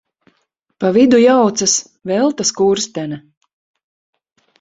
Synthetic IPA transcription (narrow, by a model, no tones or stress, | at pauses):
pavid̪ujawt̪sas | vɛlˠt̪askuːɾst̪ɛnɛ